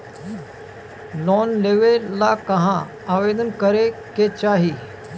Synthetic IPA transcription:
lɔːnleːʋelakɐɦã | aːʋeːd̪ənkəɾeket͡ʃaːɦiː

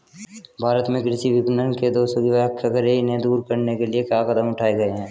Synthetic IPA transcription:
bʱaːɾət̪mẽkɾɪʃiʋɪbɪnənked̪oːsəɡiʋjakʰːjɐkəɾeɪnɦẽd̪uːɾkɐɾnekeliekjaːkəd̪əmʊʈʰaːeɡɐeɦɛ̃ː

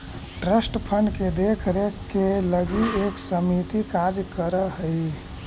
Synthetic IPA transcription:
ʈɾesʈpʰənked̪ekʰɾekeləɡieksəmit̪ikaɾjəkəɾəɦəi

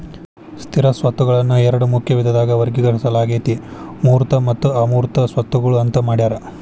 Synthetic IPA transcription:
st̪ʰiɾɐsʋɐt̪ːuɡɐɭɐnːuɛɾɐɽumukʰjɐʋid̪ʱɐd̪aːɡɐʋɐɾɡiɡɐʈɐsɐlaːɡeːt̪imuːɾt̪ɐmɐt̪ːuaːmuːɾt̪ɐsʋɐt̪ːuɡɐɭuɐnt̪ɐmaːɽiaːɾɐ

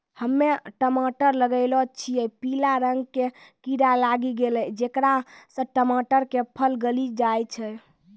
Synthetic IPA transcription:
həmːeʈəmaʈəɾləɡəɪlɔt͡ʃʰijɛpilaɾəŋɡkekiɾalaɡiɡelɛd͡ʒekɾasə̃ʈəmaʈəɾkepʰəlɡəlid͡ʒajt͡ʃʰɛ

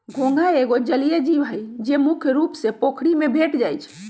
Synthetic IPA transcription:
ɡʱõŋɡaeɡod͡ʒəlijed͡ʒiʋɦəjd͡ʒemukʰjəɾupsepokʰɽimebʱeʈd͡ʒajt͡ʃʰ

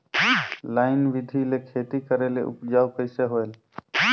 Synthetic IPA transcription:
laɪnʋid̪ʱilekʰet̪ikəɾeleʔṵpd͡ʒaukəɪseɦoel

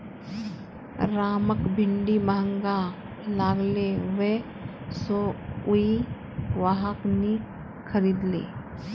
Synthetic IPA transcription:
ɾaːməkbʱɪɳɖimaɦəŋɡa | laːɡlewe | soui | ʋaɦəkni | kʰəɾiːd̪lḛː

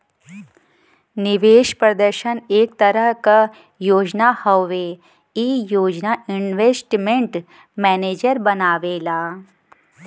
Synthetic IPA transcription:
niʋeːʃpɾɐd̪əɾʃəneːk̚t̪əɾəɦkə | joːd͡ʒnahəʋe | iːjoːd͡ʒnainʋesʈmeɳʈ | mɛneːd͡ʒəɾbənaːʋeːla

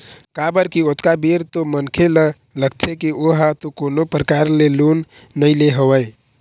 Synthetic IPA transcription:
kabəɾkiot̪kabiɾt̪omənkʰelə | ləɡt̪ʰekioɦat̪okonopɾəkaɾlelunː | əɪleɦəwəj

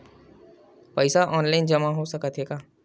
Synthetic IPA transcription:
pəɪsaʔɔːnlaːɪnd͡ʒɐmaɦosɐkət̪ɦeːɡaː

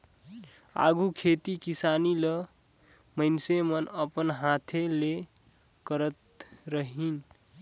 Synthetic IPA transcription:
a̰ɡukʰet̪ikisanilə | məɪnsemənəpənɦãt̪ʰele | kəɾət̪ | ɾəɦin

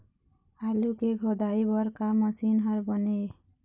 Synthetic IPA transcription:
halukeɡʱod̪aibʌɾkaməsinɦʌɾbʌne

